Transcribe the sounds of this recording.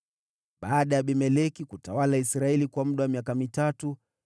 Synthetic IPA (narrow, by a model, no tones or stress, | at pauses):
ɓaːɗajaɓɛmɛlɛkikutawalaisɾaɛlikwam̩ɗawamijakamitatu